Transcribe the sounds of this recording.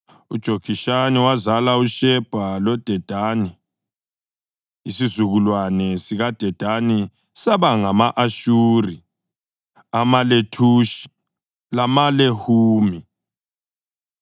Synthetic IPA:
ud̥ʒ̥ʱoɡiʃaniwazalauʃɛb̥ʱalɔd̥ʱɛd̥ʱani | isizuɣulwanɛsiɣad̥ʱɛd̥ʱani | saβaŋamaʔaʃuːri | amaletʰuːʃi̥ | lamalehuːmi

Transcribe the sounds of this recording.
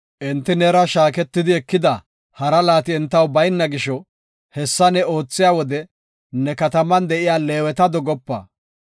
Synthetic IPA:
ʔɛnt̪ːɪnɛɾɐʃaːkɛt̪ːɪd̪ɪɛkːɪd̪ɐ | hɐɾɐlaːt̪ɪɛnt̪ːɐwbɐjnːɐɡɪʃɔ | hɛsːɐnɛo̞ːt͡sːɪjaːwɔd̪ɛ | nɛkɐt̪ɐmɐnd̪ɛʔɪjaːle̞ːwɛt̪ɐd̪ɔɡɔpːɐ̰ː

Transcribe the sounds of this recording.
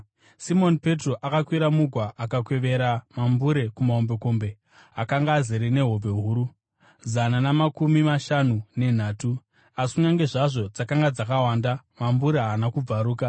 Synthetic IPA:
simo̞npe̞tro̞ʔakakwiɾamuɡʱwaʔakakwe̞ʋe̞ɾamambuɾe̞kumao̞mbe̞ko̞mbe̞ | akaŋɡaːzeɾene̞ɦo̞be̞ɦuːɾu | zananamakumimaʃanune̞n̤aːtu | asi̥kuɲaŋɡe̞ʐaʐo̞d͡zakaŋɡad͡zakawaːnda | mambuɾeɦaːnakub͡vaɾuːka

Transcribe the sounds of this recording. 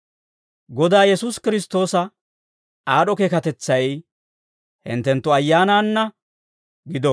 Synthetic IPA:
ɡɔd̪aːjɛsuːskɪɾɪs̬t̪o̞ːsɐ | aːɗɔkeːkɐt̪ɛt͡sːɐj | hɪ̰nt̪ɛnt̪ːɔɐjːaːnaːnːɐ | ɡɪd̪ɔ

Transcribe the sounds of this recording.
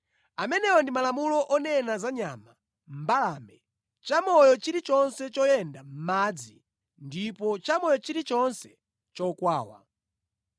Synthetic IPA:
amɛnɛɔndimalamulɔʔɔnɛnazaɲama | m̩balaːmɛ | t͡ʃamɔjɔt͡ʃiɾit͡ʃɔnsɛt͡ʃɔjɛndam̩mad͡zi | ndipɔt͡ʃamɔjɔt͡ʃiɾit͡ʃɔnsɛ̥ | t͡ʃɔkwaːwa̰

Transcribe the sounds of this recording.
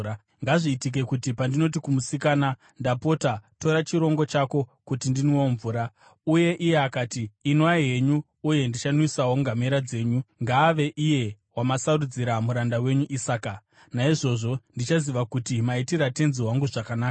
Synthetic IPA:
ŋɡaʐiːtik̬e̞kutipandino̞t̬ikumusikaːna | ndapo̞tato̞ɾat͡ʃiɾo̞ŋɡo̞t͡ʃako̞kutindinwoɱvuːɾa | uje̞ʔije̞akaːtiːnwaiɦe̞ɲuː | je̞ndit͡ʃanwisawo̞ŋɡameɾad͡ze̞ːɲuŋɡaːʋe̞ʔije̞ | wamasarud͡ziɾamuɾandawe̞ɲuʔisaːka | naiʐo̞ʐo̞ndit͡ʃaziʋakutimaitiɾatenziwaŋɡuʐakanaːka

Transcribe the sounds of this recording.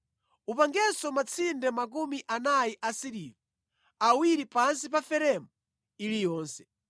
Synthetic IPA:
upaŋɡɛsɔmat͡sʰindɛmak̬umiʔanajiʔasiɾivɔ | awiɾipansip̬afɛɾɛmɔ | ilijɔːnsɛ

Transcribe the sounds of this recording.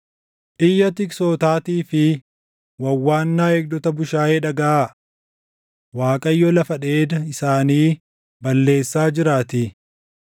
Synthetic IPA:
ʔɪjːɐt̪ɪksoːt̪aːt̪iːfɪ | wɐwːaːnːaːɛɡ̚d̪ɔt̪ɐbʊʃaːjeːᶑɐɡɐa | waːkʼɐjːɔlɐfɐᶑe̞ːd̪ɐɪsaːniː | bɐlːe̞ːsːaːd͡ʒɪɾaːt̪i

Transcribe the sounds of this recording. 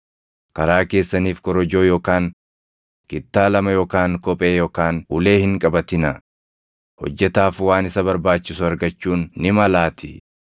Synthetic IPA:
kɐɾaːke̞ːsːɐniːfkɔɾɔd͡ʒo̞ːjoːkaːŋ | kɪt̪ːaːlɐmɐjoːkaːŋkɔpʼe̞ːjoːkaːnʊle̞ːhɪŋkʼɐbɐt̪ɪnɐ | hɔ̰d͡ʒːɛt̪aːfwaːnɪsɐbɐɾbaːt͡ʃːɪsʊɐɾɡɐt͡ʃːuːnːɪmɐlaːt̪ʰɪ

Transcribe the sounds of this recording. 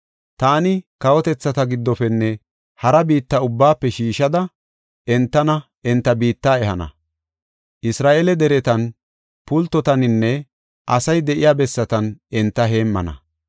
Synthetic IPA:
t̪aːnɪkɐwɔt̪ɛt͡sːɐt̪ɐɡɪd̪ːɔfɛnːɛ | hɐɾɐbiːt̪ːɐʊbːaːpːɛʃiːʃɐd̪ɐ | ɛnt̪ːɐnɐ | ɛnt̪ːɐbiːt̪ːaːɛhɐnɐ̰ | ʔɪsɾaːʔelɛd̪ɛɾɛt̪ɐn | pʊlt̪ːɔt̪ɐnɪnːɛ | ʔɐsɐjd̪ɛʔɪjaːbɛsːɐt̪ɐnɛnt̪ːɐɦe̞ːmːɐ̰nɐ̰

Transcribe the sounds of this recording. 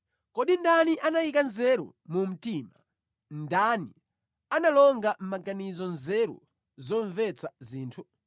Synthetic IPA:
kɔɗindaniʔanajikanzɛɾṵ | mum̩tima | ndani | analɔŋɡam̩maɡanizɔnzɛɾṵ | zɔɱvɛt͡sʰaziːntʰu

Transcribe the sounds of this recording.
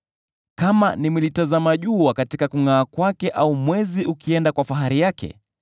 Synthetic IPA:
kamanimulitazamaʄuwakatikakuŋaːkwakɛʔaumwɛziukiɛndakwafaɦaɾijakɛ̰

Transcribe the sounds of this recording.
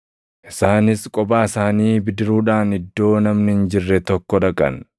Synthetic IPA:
ʔɪsaːnɪskʼɔbaːɪsaːniːbɪd̪ɪɾuːᶑaːnɪd̪ːo̞ːnɐmnɪhɪnd͡ʒɪrːɛt̪ɔkːɔᶑɐkʼɐ̰n

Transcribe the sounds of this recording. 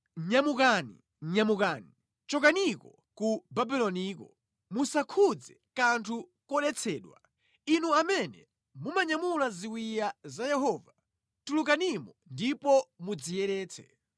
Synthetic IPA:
ɲamukaːnḭ | ɲamukaːni | t͡ʃɔkanikɔ | kubabilɔniːkɔ | musakʰud͡zɛkantʰukɔɗɛt͡sʰɛːɗwa̰ | inuamɛnɛ̰ | mumaɲamulaziwijazajɛɦɔːva | tuluk̬animɔndipɔmud͡zijɛɾɛːt͡sʰɛ̰

